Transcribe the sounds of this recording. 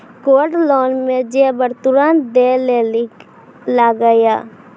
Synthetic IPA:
koːʈloːnmẽd͡ʒebəɾt̪ʊɾaːn̚d̪elel | laɡəjaː

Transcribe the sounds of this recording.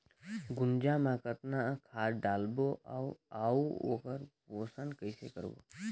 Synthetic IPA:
ɡʊnd͡ʒaːmãkət̪nakʰaːɾɖaːlboʔawaːuo̰ːkəɾpoːsənkəɪsḛkə̰ɾo̰ː

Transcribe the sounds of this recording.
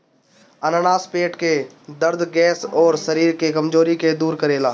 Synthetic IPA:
ɐnənaːspeːʈke | d̪əɾd̪ɡɛːsɔːɾsɐɾiːɾkekɐmd͡ʒoːɾiked̪uːɾkəɾeːlaː

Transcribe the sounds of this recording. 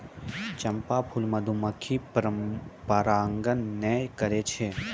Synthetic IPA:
t͡ʃɐmpapʰulmɐd̪ʱuməkʰiɾpaɾaːŋɡənːekəɾet͡ʃʰe

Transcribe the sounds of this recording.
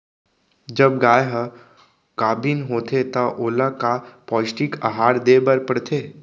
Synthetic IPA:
d͡ʒɐbɡaːjɦ | kaːbinɦoːt̪et̪ɐʔoːlakapɔːsʈikaɦaːɾd̪eːbəɾpəɽt̪ʰeː

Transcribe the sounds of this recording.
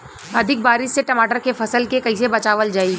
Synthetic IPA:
ɐd̪ʱɪk̚baːɾɪʃseʈɐmaːʈəɾkefʰɐsəlkekɐisebɐt͡ʃaːʋəld͡ʒaːi

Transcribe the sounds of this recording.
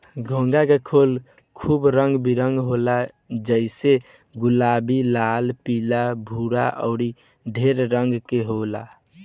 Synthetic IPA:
ɡʱõŋɡakekʰol | kʰuːbɾəŋɡbiɾəŋɡɦola | d͡ʒəɪse | ɡulabilalpilabʱuɾa̰ʔɔ̰ʊɾi | ɖʱeɾɾəŋɡkeɦola̰

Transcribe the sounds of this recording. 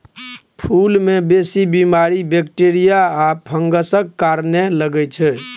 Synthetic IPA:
pʰulmebesibimaɾibekʈeɾijaːpʰəŋɡəsəkːaɾneləɡɛt͡ʃʰɛ

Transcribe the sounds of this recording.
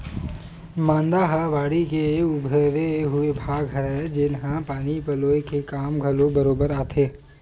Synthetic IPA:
mãːnd̪aɦaʋaːɽikeʊbʱɾeɦʊebʱaːɡɦɐɾaed͡ʒɪnɦãpaːnipɐloːekekaːmɡʱɐlobɐɾoːbəɾaːt̪ʰeː

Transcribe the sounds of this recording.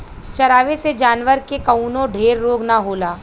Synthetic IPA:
t͡ʃɐɾaːʋesed͡ʒaːnʋəɾkekɐuːnõɖʱeːɾːoːɡnaɦoːlaː

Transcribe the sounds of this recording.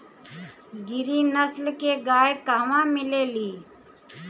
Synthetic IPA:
ɡɪɾiːnəslkeːɡaːjkaːʋãːmɪleːliː

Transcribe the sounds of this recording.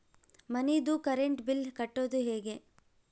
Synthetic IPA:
mɐnid̪ukɐɾeɳʈbilkɐʈːoːd̪uɦeːɡe̞

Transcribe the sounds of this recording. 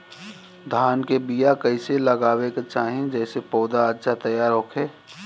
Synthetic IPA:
d̪ʱaːnkebijakɐɪselɐɡaːweket͡ʃaːɦẽd͡ʒɛːsepɔːd̪aətːʃʰat̪əjaːɾɦokʰeː

